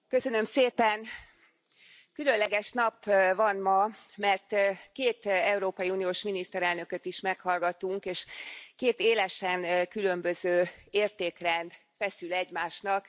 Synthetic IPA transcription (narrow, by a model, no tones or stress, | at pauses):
kø̞sø̞nø̞mseːpɛn | kylø̞nlɛɡɛʃn̪ɒpːvɒnmɒmɛrt̪keːt̪ɛuɾoːpɒjiuːnijoːʃminist̪ɛɾɛlnø̞køt̪iʃmɛkhɒlɡɒt̪uŋkeːʃkeːt̪eːlɛʃɛnkylø̞mbø̞zøːeːrt̪eːkrɛn | fɛsylɛɟmaːʃnɒk